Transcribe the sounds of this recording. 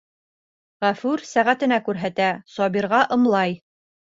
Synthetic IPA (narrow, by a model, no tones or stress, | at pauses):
ʁæfʉɾsæʁæt̪ɘ̆nækʉɾɦæt̪æsɒbiɾʁɑʔɤ̆mlˠɑj